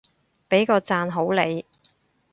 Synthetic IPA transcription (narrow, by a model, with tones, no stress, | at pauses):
pe˨˥jkɔː˧t͡saː˧nɦo˨˥wle˨˧j